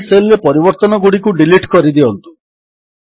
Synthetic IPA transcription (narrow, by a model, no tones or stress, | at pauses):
selɾepɔɾibɔɾt̪ɔnɔɡuɽikuɖiliʈkɔɾid̪iɔnt̪u̥